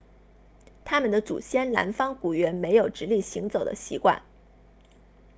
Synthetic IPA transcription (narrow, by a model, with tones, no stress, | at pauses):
t̪ʰa˥mə˨nd̪ə˦t͡sṵ˨˩ɕjɛ˥nla̰˧˥nfɑ˥ŋku˨˩ɥɛ˧˥nme˧˥ɪjo˨˩ʊʈ͡ʂɻ̩˧˥li˥˩ɕi˧˥ŋt͡so˨˩ʊd̪ə̰˦ɕḭ˧˥kwa̰˥˩n